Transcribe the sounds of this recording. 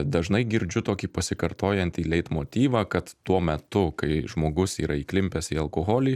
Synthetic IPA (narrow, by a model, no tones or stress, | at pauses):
d̪ɐʒnɐɪɡʲɪɾʲd͡ʒʲʊt̪oːkʲiːpɐsʲɪkɐɾt̪oːjɛnʲt̪ʲiːlʲɛɪt̪moːt̪ʲiːʋɑːkɐt̪t̪uɔmʲɛt̪ʊkɐɪʒmoːɡʊsiːɾɐiːklʲɪmʲpʲɛsiːɐlˠkoːɣoːlʲiː